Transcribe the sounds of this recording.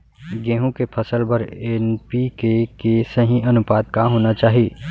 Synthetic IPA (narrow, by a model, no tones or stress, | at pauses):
ɡẽːɦũkepʰɐsəlbəɾeːnpikekesəɦĩɐnʊpaːd̪̚kaɦoːnat͡ʃaːɦi